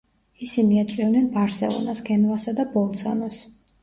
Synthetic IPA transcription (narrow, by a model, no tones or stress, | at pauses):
isiniat̪sʼivnɛnbaɾsɛ̰lˠɔ̰naskʰɛnvasad̪abɔlˠt̪sʰa̰nɔs